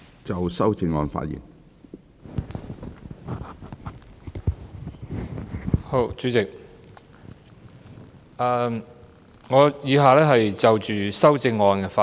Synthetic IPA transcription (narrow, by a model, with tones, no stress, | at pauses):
t͡sɐ˨wsɐ˥wt͡sɪ˧ŋːɔː˧nfa̰ː˧t̚jḭː˨˩n | ho˨˧t͡ʃyː˨˥t͡sɪ˨k̚ | ɛː˨˩ | ŋɔː˨˧jiː˨˧ɦaː˨lɛː˥ɦɐ˨jt͡sɐ˨wt͡ʃyː˨sɐ˥wt͡sɪ˧ŋːɔː˧nkɛː˧faː˧